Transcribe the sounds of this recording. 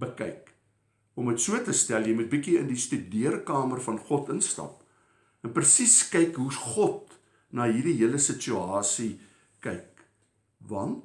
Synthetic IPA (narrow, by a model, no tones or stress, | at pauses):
bəkɛ̰jk | ɔmətsuətəstæljəjmut̚bikiəndistydiərkɑːmərfɐnχɔtənstɐ̰p̚ | ɛnprəsiskɛjkɦuχɔt̚ | nɑːɦirdiɦiələsət͡ʃyɑːsi | kɛjk̚ | vɐnt